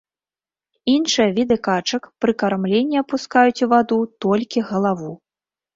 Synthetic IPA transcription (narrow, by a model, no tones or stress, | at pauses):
inʂɨjɐvʲid̪ɨkat͡ʂɐkpɾɨkaɾmlʲenʲːɛɐpuskajut͡sʲuvad̪ut̪ɔlʲkʲiɣɐlˠavu